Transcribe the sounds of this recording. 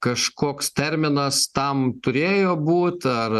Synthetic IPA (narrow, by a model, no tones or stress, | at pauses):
kɐʃkoːkst̪ʲɛɾʲmʲɪnɐst̪ɐmt̪ʊɾʲeːjoːbuːt̪ɐr